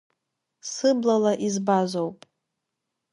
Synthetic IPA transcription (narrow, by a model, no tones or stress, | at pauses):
sɨblalaʔizbazʷowpʼ